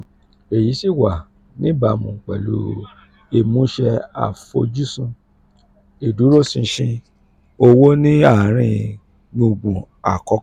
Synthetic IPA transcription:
e˨ji˨˦si˦˨wa˨ | nĩ˦ba˨mũ˨k͡pɛ̰˨lṵ˨˦ | e˨mũ˨˦ʃɛ˧a̰˨fo̰˧d͡ʒu˦sũ˧ | e˨du˨˦ɾo˦˨sĩ˧ʃĩ˧ | o˧wo˦nĩ˦a˦˨ɾ̃ĩ˧ | nõ˧˨ɡ͡bũ˨ | a̰˨kɔ˨˦

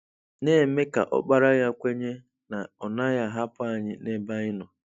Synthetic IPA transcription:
ne˦˨me˦ka̰˨ʔɔ̰˦k͡pa˨ɾa˦ja˦kʷe˦ɲe˦ | na˨ɔ˨na˦ja˦ɦa˦pʊ˦a˦˨ɲɪ˦ne˦ba˦ɪ˦nɔ˨

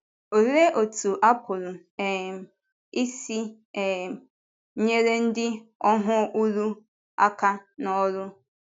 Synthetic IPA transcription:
o˨ɾe˦ʔo˨tu˨ʔa˦pʰo˨lo˨ | ɛ˨ | i˦si˦ | ɛ˨˦ | ɲe˦ɾe˦n̩˦dɪ˦ɔ˦ɦʊ̃˦u˦ɾu˦ | a̰˦kʰa˦na˨ɔ˦ɾʊ˦

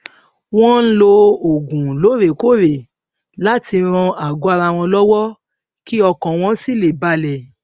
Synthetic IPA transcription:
w̃ɔ̃˦n̩˦lo˧o˨ɡũ˨lo˨˦ɾe˨ko˦˨ɾe˨ | la˦ti˧ɾ̃ɔ̃˧a˨ɡo˨˦a˧ɾa˧˨w̃ɔ̃˧lɔ˦wɔ˦ | ki˦ɔ˧kɔ̃˨w̃ɔ̃˧˦si˦˨le˨ba˧˦lɛ˨

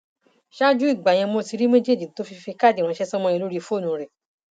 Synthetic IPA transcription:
ʃa˦d͡ʒu˦i˦˨ɡ͡ba˨j̃ɛ̃˧mõ˧˦˨ti˨˧˦ɾi˦mẽ˦d͡ʒe˦˨d͡ʒi˨˦to˦fi˧fe˧ka˦˨di˨wã˨˧˦ʃɛ˦sɔ˦mɔ̃˧ɛ̃˧lo˦ɾi˦˧fo˦˨nũ˨˦ɾɛ˨

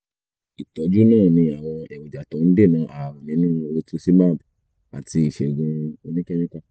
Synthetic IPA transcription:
i˨tɔ˨˦d͡ʒu˦nãː˦˨nĩ˧a˨w̃ɔ̃˧ɛ˨wɔ˨d͡ʒa˨tɔ˨˦n̩˦de˦˨nã˨˦ʔa˨wɔ̃˨nĩ˨˦nũ˦o˧tu˦si˦mã˦˨ | a˨ti˧i˨ʃɛ˨ɡũ˧o˧nĩ˦kɛ˦nĩ˦ka˦

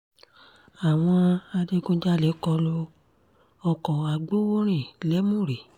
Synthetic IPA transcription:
a˨w̃ɔ̃˧a˧de˧ɡõ˧d͡ʒa˦le˨˦kɔ˧lo˧ | ɔ˧kɔ˨a˨ɡ͡bo˦wo˦ɾ̃ĩ˦˨lɛ˨˦mũ˦˨ɾe˨

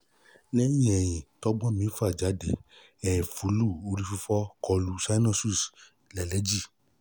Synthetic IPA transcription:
nɛ̃˦ĩ˦ɛ˨j̃ĩ˨tɔ˨˦ɡ͡bɔ̃˦mĩ˨˦fa˦˨d͡ʒa˨˦de˨ | ɛ˨fu˨˦lu˦˨o˧˦ɾi˦fu˧fɔ˦kɔ˧˨lu˦sa˦nɔ̃˧su˦˨s | lɛ˨lɛ˨˦d͡ʒi˦˨

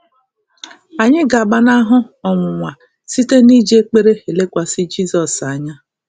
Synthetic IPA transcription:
a˨ɲɪ˦ɡa˨ba˦na˦ɦʊ˦ɔ˨ŋʷʊ˨ŋʷa˨ | si˦te˦ni˦d͡ʒe˦k͡pe˦ɾe˦e˨le˦kʷa˨sɪ˦d͡ʒi˦sɔ˨sa˨ɲa˦

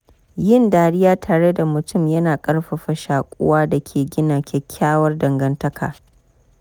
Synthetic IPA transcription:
jɪ˦ndaː˨ɽɪ˦jaː˦tʰaː˨ɽe˦da˨mʊ˨tʊ˦˨mjɐ˦naː˨kʼɐ˦rɸɐ˨ɸɐ˨ʃaː˨kʷʼʊ̰˦waː˦da˨kʲʰeː˨ɡʲɪ˦naː˨kʲʰɛ˦kʲʰːaː˦wɐ˦rdɐ˨ŋɡɐ˦ntɐ˦kʰa̰ː˨

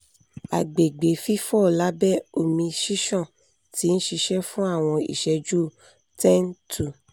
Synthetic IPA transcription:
a˨ɡ͡be˨ɡ͡be˨fi˦fɔ˦˨la˨˦bɛ˦˨o˦˨mĩ˧ʃi˦ʃɔ̃˦˨ | ti˨˦ñ̩˦ʃi˧ʃɛ˦fũ˦a˦˨w̃ɔ̃˧ḭ˨ʃɛ˧d͡ʒu˦˨ | tɛ̃˦n˦tu˨

